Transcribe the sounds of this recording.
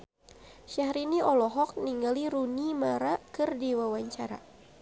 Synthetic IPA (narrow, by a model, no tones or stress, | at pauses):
ʃahɾiniɔlɔɦɔk̚niŋɡaliɾunimaɾakɨrdiwawaɲt͡ʃaɾa̰